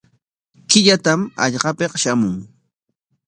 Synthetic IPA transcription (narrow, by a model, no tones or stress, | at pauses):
kɪʎat̪amɑ̰ʎɢɑpeqʃamʊŋ